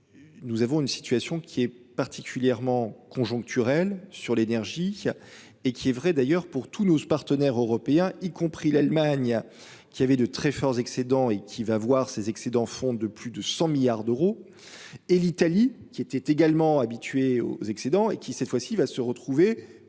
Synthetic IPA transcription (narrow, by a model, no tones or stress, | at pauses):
nuzavɔ̃ynsi̥t̪ɥasjɔ̃kʲʰiɛ | paʁt̪ʰikʲʰyljɛʁmɑ̃kʰɔ̃ʒɔ̃k̚t̪ʰyʁɛlsyʁlenɛʁʒi | ekʲiɛvʁɛd̪ajœʁpuʁt̪ʰunopaʁt̪ənɛʁøʁɔpeɛ̃ikɔ̃pχilalmaɲ | kʲiavɛd̪ət̪χɛfɔʁzɛksed̪ɑ̃ekʲʰivavwaʁsezɛksed̪ɑ̃fɔ̃d̪əplyd̪əsɑ̃miljaʁd̪øʁo | elit̪alikʲiɛt̪ɛt̪eɡalmɑ̃abit̪ɥeo̰zɛksed̪ɑ̃ḛkʲisɛt̪fwasivasəʁət̪χuve